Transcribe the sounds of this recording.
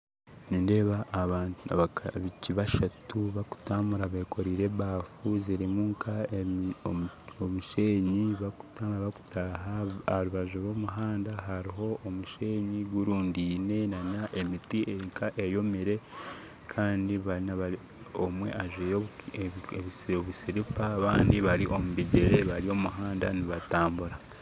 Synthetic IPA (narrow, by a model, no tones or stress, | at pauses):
ninde̞ːβaʔːβaːnaβiciβaʃatuβaku̥tamuɾaβekʰo̞ɾiːɾeβbaːfuziɾimuŋkʰa | omuʃe̞ːɲiβaku̥taβaku̥taɦaaɾuβaʒoɾo̞ːmuɦaːndaɦaɾiɦo̞ʔomuʃe̞ːɲiɡuɾuːndine̞naɲaʔe̞mitiʔeŋkʰaʔe̞jo̞miɾe̞ | kʰaːndiβanaβai | omwe̞̰ʔaʒejoβ | βoβusiɾipaːβaːndiβaɾiʔo̞muβiɟeɾe̞βaɾio̞muɦaːnda̰niβataːmbuɾa